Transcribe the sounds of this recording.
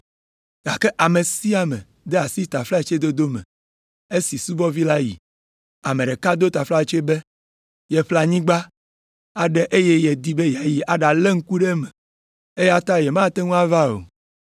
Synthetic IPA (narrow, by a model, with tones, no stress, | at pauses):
ɡa˨ke˦ʔa˨me˨si˦a˨mɛ̰̃˨ | d̪ɛ˦a˨si˦t̪a˨fla˦e˨t͡ʃe˦d̪o˦d̪o˦mɛ̰̃˨ | e˦si˨su˦bɔ˦vi˦la˦jḭ˨ | a˨mẽ˨ɖe˨ka˦d̪o˦t̪a˨fla˦˨t͡ʃo˦e˦be˦ | jɛ˨ɸla˨ɲĩ˦ɡ͡ba˦ | a˨ɖɛ˦ʔe˦je˦jɛ˨d̪i˦be˦ja˨ji˦ʔa˦ɖa˨le˦ŋ̩˦ku˦ɖe˦mɛ̃˨ | e˦je˦a˦t̪a˦jɛ˨mã˦t̪e˦ŋũ˦a˦va˦o̰˨